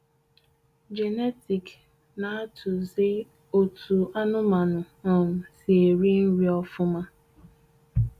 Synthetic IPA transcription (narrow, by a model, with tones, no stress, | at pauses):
d͡ʒe˨ne˦ti˨k | na˨a˦tʰʊ˨ze˦ | o˦tʰu˨ʔa˦nʊ˦ma˨nʊ˨ | ɔ˨m̩˨si˨e˨ɾi˦n̩˦ɾi˦ɔ˦fʊ˦ma˦